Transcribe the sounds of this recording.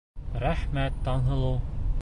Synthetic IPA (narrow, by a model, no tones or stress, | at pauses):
ɾæhmæt̪ːɑnɦɤ̆lˠɤw